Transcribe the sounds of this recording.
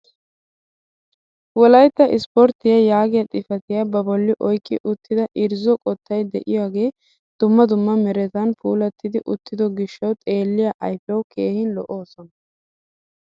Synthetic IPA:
wɔlɐjt̪ːɐʔɪspɔɾt̪ɪjɐjaːɡɪjɐt̪ʼɪfɐt̪ɪjɐbɐbɔlːɪʔɔjkːɪʔʊt̪ːɪd̪ɐʔɪɾzɔkʼɔt̪ːɐjd̪ɛʔɪ̰jaːɡe̞ː | d̪̥ʊmːɐd̪ʊmːɐmɛɾɛt̪ɐnpʰuːlɐt̪ːɪd̪ɪʔʊt̪ːɪd̪ɔɡɪʃːɐwt̪ʼe̞ːlːɪjaʔɐjfɐwkʰe̞ːhɪnlɔʔo̞ːsɔnɐ

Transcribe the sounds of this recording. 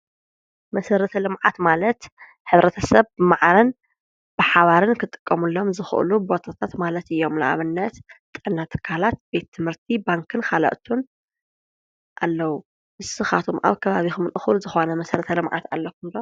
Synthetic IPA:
mɐsɐɾɐt̪ʰɐlɨmʕat̪malɐt̪ | ħɨβɾɐt̪ʰɐsɐβmaʕɾɐn | b̥ɨħaβaɾɨnkʰɨt̪ʼɨ̥kʼːɐmulːo̞mzɨxʔɨ̰lubo̞t̪ʰat̪ʰat̪malɐt̪ɨjːo̞mla̰ʔa̰βɨnːɐt̪t̪ʼːɨʔnːat̪ʰɨ̥kʰalat̪̚be̞t̪ʰːɨmhɨɾt̪ʰibaŋkʰɨnkʰalɐ̰ʔt̪ʰun | ʔalːɐwu | ʔɨsɨxa̰t̪ʰumʔa̰βkʰɐβaβixɨmɨnʔɨxɨlzɨxo̞nɐmɐsɐɾɐt̪ʰɐlɨmʕa̰t̪a̰lːɐkʰːumd̪o

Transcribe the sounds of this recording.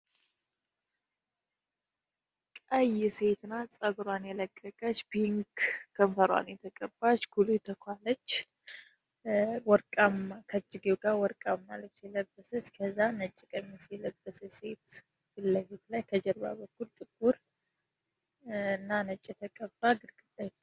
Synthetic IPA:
kʼəjɪse̞t̪nat͡sʼəɡɾwanjɛləkʼːəkʼət͡ʃːbiŋkkʰːəmfəɾwa̰njɛt̪ʰəkʼəbːat͡ʃːɡ̥ulut̪ʰəkʰʷalət͡ʃː | wɔɾkʼamakʰət͡ʃʼːɪɡewɡawɔɾkʼamːalət͡ʃjɛləbːəsət͡ʃkʰəzːanət͡ʃʼːɪkʼəmisɛləbːəsəse̞t̪ | bɨlːəfet̪lajkʰəd͡ʒəɾba̰bəkːult̪ʼɨɡuɾ | ɨnːanət͡ʃʼːɛt̪ʰəkʼəbːaɡɨɾkʼɨd̪ajt

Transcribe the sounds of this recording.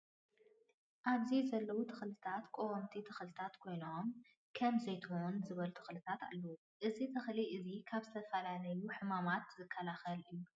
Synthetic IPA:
ʔaβzizɐlːɐwut̪ʰɨxlɨt̪ʰat̪kʼoomt̪ʰit̪ʰɨxlɨt̪ʰat̪kʰo̞jnom | kʰɐmzɐjt̪ʰɨxounzɨβɐlut̪ʰɨ̥xlɨt̪ʰat̪a̰lːɐwu | ʔɨzit̪ʰɨxliʔɨzikʰaβzɨt̪ʰɐfɐlalɐjuħɨmamat̪zɨkʰːɐlaxɐlɨjːu

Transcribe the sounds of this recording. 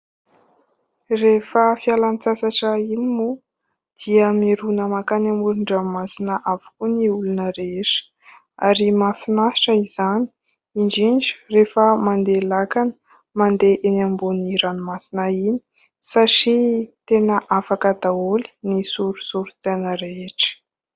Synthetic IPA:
refəfialanit͡sasaʈ͡ʂainimu | d̪̥iəmiɾunəmakanambuluɳɖ͡ʐamasinəʔavu̥kuniulunəɾeʂə̥ | a̰ɾimafinaʈ͡ʂəizani̥ | iɳd͡ʒiɳd͡ʒi̥refəmand̪elakanə̥ | mand̪eʔenambuniɾanimasinaini̥ | saʈ͡ʂit̪enəʔafakəd̪aoli̥nisuɾusuɾut͡sanəɾeeʈ͡ʂə̥

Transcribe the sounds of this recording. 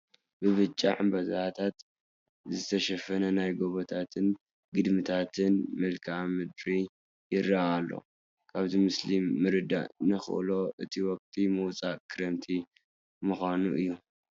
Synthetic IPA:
bɨβɨt͡ʃʼːa̰ʕɨmbɐzaat̪ʰat̪ | zɨt̪ʰɐʃɐfɐnɐnajɡoβot̪ʰat̪ʰɨn | ɡɨd̪mɨt̪ʰat̪ʰɨnmɨlkʰamɨd̪ɾi | jɪrːaalːo̰ | kʰaβzimɨslimːɨɾɨd̪a̰ʔnɨxɨ̰ʔlo̞ʔɨt̪ʰiwɔk̚ʼt̪ʼimɨwt͡sʼakʰɨɾɐmt̪ʰi | muxʷanṵʔɨjːu

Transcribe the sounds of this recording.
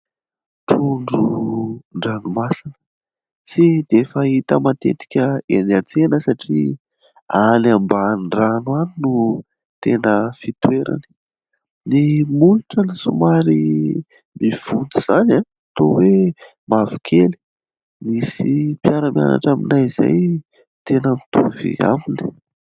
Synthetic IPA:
ʈ͡ʂuɳɖ͡ʐuɳɖ͡ʐanumasinə̥ | t͡sid̪efəit̪əmat̪ḛt̪i̥kʲəenat͡senəsaʈ͡ʂḭ | anambanɖ͡ʐanwaninu | t̪enəfit̪weɾa̰ni̥ | nimuluʈ͡ʂanisumaɾi | miv̥und̪iz̥anaat̪owe | mavikʰeli̥ | misipjaɾəmja̰na̰ʈ͡ʂaminajiza̰j | t̪enəmit̪uvḭa̰mini̥

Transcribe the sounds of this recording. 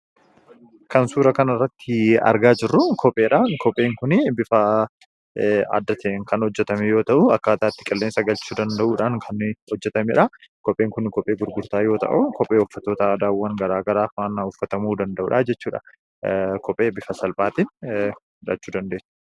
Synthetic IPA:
kɐnsuːɾɐkɐnɐrːɐt̪ːɪɐ̰ɾɡaːd͡ʒɪrːʊkʰɔpʼːe̞ːᶑaːnkɔpʼe̞ːŋkʊnɪbɪfɐ | a̰d̪ːɐt̪eːŋkɐnhɔd͡ʒːɛt̪ɐmejo̞ːt̪ɐʔʊɐkːaːt̪aːt̪ːɪ̥kʼɐlːe̞ːnsɐɡɐlt͡ʃuːd̪ɐnd̪ɐʔuːᶑaːŋkʰɐnhɔd͡ʒːɛt̪ɐmeːᶑɐkɔpʼːeːŋkʊnkɔpʼeːɡʊɾɡʊɾt̪aːjoːt̪ɐ̰ʔʊkɔpʼːeːɔfːɐt̪ːo̞ːt̪ɐːd̪aːwːɐŋɡɐɾaːɡɐɾaːfaːnʊfːɐt̪ɐmuːd̪ɐnd̪ɐʔṵːᶑad͡ʒɛt͡ʃːuːᶑɐ̰ | kɔpʼe̞ːbɪfɐsɐlpʼaːt̪iːn | ᶑɐ̰t͡ʃːuːd̪ɐnd̪eːsɛ̥

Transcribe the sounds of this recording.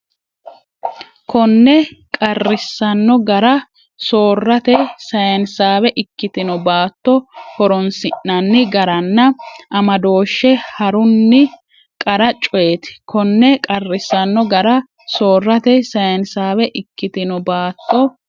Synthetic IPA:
kɔnːɛkʼɐrːɪsːɐnːɔɡɐɾɐ | soːrːɐt̪ɛsɐjɐnsaːwɛʔɪkːɪt̪ɪnɔbaːt̪ːɔhɔɾɔnsɪnːɐnːɪɡɐɾɐnːɐʔɐmɐd̪o̞ːʃːɛhɐɾʊnːɪ | kʼɐɾɐt͡ʃʼɔjet̪ɪ̥kʰɔnːɛkʼɐrːɪsːɐnːɔɡɐɾɐ | so̞ːrːɐt̪ɛsɐjɐnsaːβɛʔɪkːɪt̪ɪnɔbaːt̪ːɔ

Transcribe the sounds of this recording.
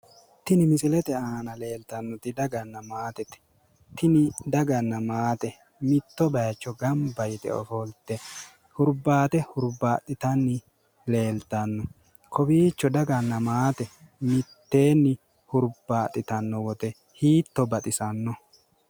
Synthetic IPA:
t̪ɪnɪmɪsɪlɛt̪ɛaːnɐle̞ːlt̪ɐnːɔt̪ɪd̪ɐɡɐnːɐmaːt̪ɛt̪ɛ̥ | t̪ɪnɪd̪ɐɡɐnːɐmaːt̪ɛ | mɪt̪ːɔbɐjt͡ʃːɔɡɐmbɐjt̪ɛ̰ɔ̰fɔlt̪ːɛ | hʊɾbaːt̪ɛhʊɾbaːt̪ʼːɪt̪ɐnːɪ | le̞ːlt̪ɐnːɔ | kʰɔbiːt͡ʃːɔd̪ɐɡɐnːɐmaːt̪ɛ | mɪt̪ːe̞ːnːɪ | hʊɾbaːt̪ʼːɪt̪ɐnːɔwɔt̪ɛ | hiːt̪ːɔbɐt̪ʼɪsɐnːɔ

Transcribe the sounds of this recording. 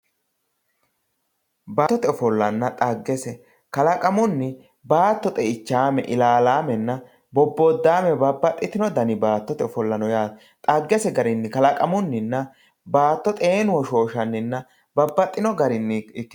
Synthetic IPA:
baːt̪ːɔt̪ɛɔfɔlːɐnːɐt̪ʼɐɡːɛsɛ | kɐlɐkʼɐmʊnːɪ | baːt̪ːɔt̪ʼɛɪt͡ʃːaːmɛʔɪlaːlaːmɛnːɐ | bɔbːod̪ːaːmɛbɐbːɐt̪ʼːɪt̪ɪnɔd̪ɐnɪbaːt̪ːɔt̪ɛɔfɔlːɐnɔjaː | t̪ʼɐɡːɛsɛɡɐɾɪnːɪkɐlɐkʼɐmʊnːɪnːɐ | baːt̪ːɔt̪ʼe̞ːnʊwɔʃo̞ːʃɐnːɪnːɐ | bɐbːɐt̪ʼːɪnɔɡɐɾɪnːɪɪkː

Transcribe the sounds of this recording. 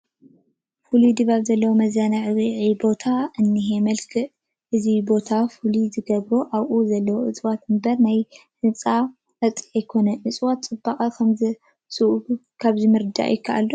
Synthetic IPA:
fulid̪ɨβaβzɐlːɐwomɐzjanaʕɨβiʕibo̞t̪ʰaɨnːiɦe̞mɐlkʰɨʔ | ʔɨzibo̞t̪ʰafulizɨɡɐβɾoʔawʔuzɐlːɐwoʔɨ̰t͡sʼwat̪ɨmbɐɾnaj | hɨnt͡sʼa | ɐt͡sʼiajkʰo̞nɐʕɨt͡sʼwat̪t͡sʼɨbːakʼɐkʰɐmzɨ | sɨʔu | kʰaβzɨmɨɾɨd̪a̰ʔjɪkʰːaʔa̰lːo

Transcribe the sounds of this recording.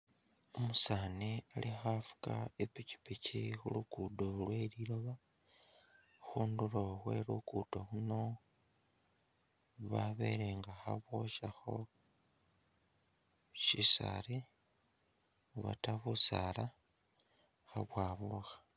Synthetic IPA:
omusaːnialʔixafu̥ka̰epici̥picixulukudolweliloβa | xuːnduloɣwe̞̰ɾukutoxuno̞ | βaβḛɾeːŋɡaxa̰βwoʃaxo̞̰ | ʃisa̰ɾi | uβa̰taβusala | xaβwaːβuxḁ

